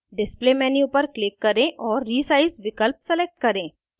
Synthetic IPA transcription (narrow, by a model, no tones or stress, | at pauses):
ɖɪspleːmɛːniupəɾklɪkːɐɾẽʔɔːɾːiːsaːɪsʋɪkəlp̚sɛleːk̚ʈ̚kɐɾẽː